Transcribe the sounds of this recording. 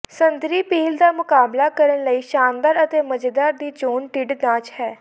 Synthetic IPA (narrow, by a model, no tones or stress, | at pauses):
sənd̪ɾiːpiːld̪aːmʊkaːblaːkəɾənləiːʃaːnd̪aːɾət̪eːməd͡ʒd̪aːɾd̪iːt͡ʃoːnʈɪɖd̪ãːt͡ʃhɛː